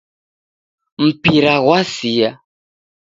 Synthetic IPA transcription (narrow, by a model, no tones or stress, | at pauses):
m̩piɾaɣwasija